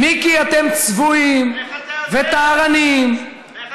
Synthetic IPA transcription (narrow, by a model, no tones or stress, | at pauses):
mikiat̪emt͡svuimvet̪aːʁanim